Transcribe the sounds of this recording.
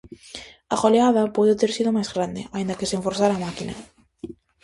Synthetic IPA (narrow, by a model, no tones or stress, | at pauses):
a̰ɣoleaðapoðɪt̪eɾsiðʊmajzɣɾand̪ɪ̰aind̪akɪseɱfoɾθaɾaːmakinɐ̰